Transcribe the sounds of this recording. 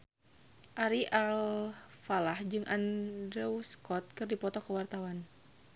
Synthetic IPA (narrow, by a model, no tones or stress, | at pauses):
ʔaɾiʔalfalahd͡ʒɨŋʔandɾɛwskɔt̪̚kɨrdipɔt̪ɔkəwart̪awan